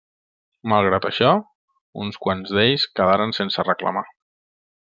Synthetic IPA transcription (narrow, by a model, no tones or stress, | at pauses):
malˠɣ̞ɾat̪əʃɔ | unskwanzðeʎskəðaɾənsensərəkla̰ma